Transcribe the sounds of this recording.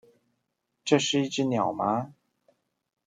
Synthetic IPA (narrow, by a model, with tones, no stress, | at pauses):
ʈ͡ʂɤ˥˧ʂɻ̩˥˧i˥˧ʈ͡ʂɻ̩˥˩njɑ˨˩ʊma˧˥